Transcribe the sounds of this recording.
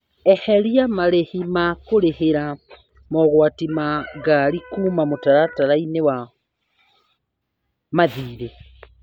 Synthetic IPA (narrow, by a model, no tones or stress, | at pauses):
ɛhɛɾiamaɾehimakoɾeheɾa | mɔɣwatimaɣaɾikuːmamotaɾataɾainewa | maðiːɾe